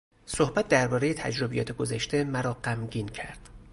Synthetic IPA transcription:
so̞hbæt̪̚d̪æɾbɒːɾe̞jet̪ʰæ̰d͡ʒɾo̞bijɒ̰ːt̪ʰeɡo̞zæʃt̪e̞mæɾɒːɢæmɟiːncʰæɾd̪̥

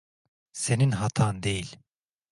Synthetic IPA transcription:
se̞ninɦat̪ʰaːnd̪ejilʲ

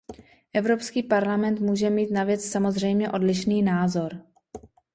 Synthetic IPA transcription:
ʔɛvɾo̞pskiːpaɾlamɛnt̪muːʒɛmiːt̪navjɛt͡ssamo̞zr̝ɛjmɲɛʔo̞dlɪʃniːnaːzo̞ɾ

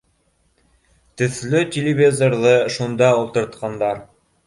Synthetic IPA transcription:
t̪ɵ̆θlɵtʲɪlʲɪvʲizoɾðɤʃund̪ɑulˠt̪ɤ̆ɾt̪qɑnd̪ɑɾ

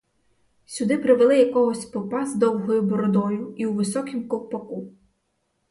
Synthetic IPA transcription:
sʲʊd̪ɪpɾɪʋelˠɪjɐkɔɦɔsʲpɔpɑzd̪ɔwɦɔjʊbɔɾɔd̪ɔjʊiwʋɪsɔkɪmkɔlˠpɔku

